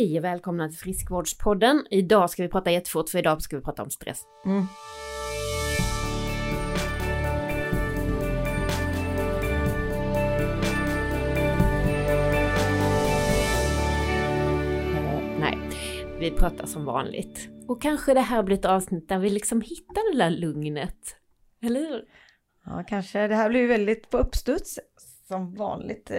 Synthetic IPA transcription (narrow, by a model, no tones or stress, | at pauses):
ɪæɾvɛːlkʰɔmnat̪ʰɪlfɾɪskvoːɖʂpʰɔd̪ːənɪd̪ɑːskavɪpʰɾɑːt̪ajɛt̪ːə̥fʊʈːfœɾɪd̪ɑːskavɪpʰɾɑːt̪aɔmst̪ɾɛ̰sː | næ̰ɪvɪpʰɾɑːt̪ʰaʂɔmvɑ̰ːnlɪ̰ɡt̪ɔkʰːanɧəd̪ɛɦæːɾblɪɾɛt̪ɑːvsnɪt̪̚ːd̪æɾvɪlːɪksɔmhɪt̪ːad̪ɛd̪æːɾlɵŋnət̪ | ɛlːəɾhɾhʉ̟ːɾ | ɑ̰ːkʰanʂəd̪ɛhæːblɪɾjvɛld̪ɪt̪pʰɔɵpːst̪ɵt̪s | sɔmvɑ̰ːnlɪ̰ɡ̚t̪